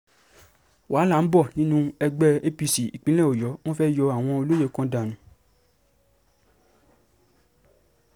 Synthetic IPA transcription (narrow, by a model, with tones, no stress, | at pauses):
wʔaː˨˦la˨n̩˦bɔ˦˨nĩ˦nũ˦ɛ˧ɡ͡bɛ˦e˦pi˧si˨ḭ˨k͡pĩ˨˦lɛ̃˦˨o˨jɔ˨˦w̃ɔ̃˦fɛ˦jɔ˧a˨w̃ɔ̃˧o˧lo˦je˨˦kɔ̃˧˦da˨nũ˨˦